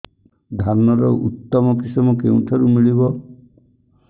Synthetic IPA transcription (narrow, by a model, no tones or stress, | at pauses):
d̪ʱanːɔɾɔʔut̪ːɔmɔkisɔmɔkeũt̪ʰaɾumiɭibɔ